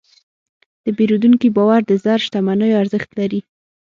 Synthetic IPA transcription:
d̪̥əbeɾud̪uŋkibɑwaɾd̪əzaɾʃt̪amanəjoaɾzəxt̪laɾi

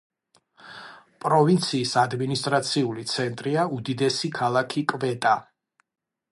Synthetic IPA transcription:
pʼɾɔvint̪sʰiːsad̪minist̪ʼɾat̪sʰiulit̪sʰɛnt̪ʼɾiaud̪id̪ɛsikʰalˠakʰikʼvɛt̪ʼa

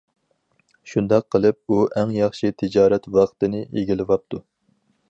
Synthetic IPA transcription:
ʃund̪ɑqʰːəlˠɨp̚uʔæŋjɑχʃit̪ʰɪd͡ʒɑːɾɛt̪wɑqʰt̪ɨnɪeɡʲilɪvɑp̚t̪ʰu

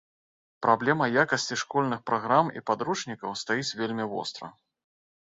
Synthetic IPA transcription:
pɾʔablʲɛmɐjakɐsʲt͡sʲiʂkɔlʲnɨxpɾaɣɾamḭpad̪ɾut͡ʂnʲikɐwst̪ajit͡sʲvʲelʲmʲivɔ̰st̪ɾɐ̰

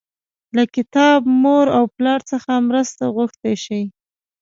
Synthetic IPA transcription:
lakɪt̪ɑbmoɾawplɑɾt͡səxamɾəst̪aɣʊxt̪ejʃəj

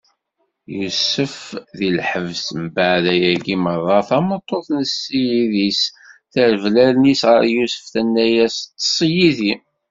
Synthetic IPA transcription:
jusəfðilħəvsəmbəʕðæjæɡimərˤːɑθɑmət̪ˤːoθnəsːijiðisθəɾvlælnisʁəɾjusə̥fθænːæjæst̪ːsˤijiði

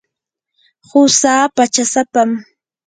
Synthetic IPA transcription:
hʊsaːpat͡ʃasapam

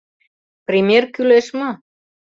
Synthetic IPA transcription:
prʲimʲerkyleʃmo

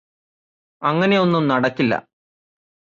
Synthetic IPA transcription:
ɐŋːɐne̞jo̞nːumnɐɽɐkːilːɐ̰

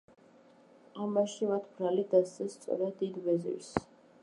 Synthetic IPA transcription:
amaʃimat̪ʰb̥ɾalid̪ast̪sɛst̪sʼɔ̰ɾad̪ːid̪vɛzḭɾs

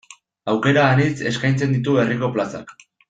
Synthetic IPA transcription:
awke̞ɾaːnit͡se̞skajnt͡se̞nd̪it̪̬uβe̞riko̞plasa̰k

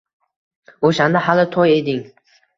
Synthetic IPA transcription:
oʃand̪ahalɪt̪ʰɒje̞d̪ɪŋ

